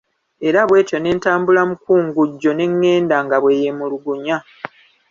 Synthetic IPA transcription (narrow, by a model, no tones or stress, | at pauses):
e̞ɾaβwe̞ːtjo̞ne̞ːntaːmbulamukuːŋɡuɟːo̞ne̞ŋːe̞ːndaŋɡaβwe̞ːjemuluɡuɲa